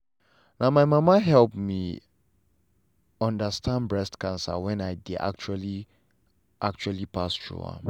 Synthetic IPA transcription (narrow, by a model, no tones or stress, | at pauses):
nãmaɪmãmaɦɛlpmi | ɔ̃ndəstʰãnbɹɛstkãnsa̰wɛ̃naɪdia̰k̚t͡ʃuali | ʔak̚t͡ʃualipʰastɹṵã̰